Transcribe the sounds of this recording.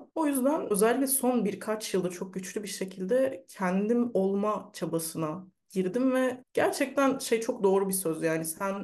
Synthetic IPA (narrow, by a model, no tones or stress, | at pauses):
o̞jyzd̪ænø̞zɛlʲːic̬lʲɛso̞nbiɾkʰat͡ʃjɯlˠd̪at͡ʃʰo̞k̚ɟyt͡ʃlʲybiɾʃe̞cʰilʲd̪ɛcʰɛnd̪imo̞lˠmat͡ʃʰabasɯna | ɟ̥iɾd̪imvɛɟ̥æɾt͡ʃʰɛc̚t̪ʰænʃe̞jt͡ʃʰo̞k̚d̪o̞ːɾubisø̞zjaːnisæn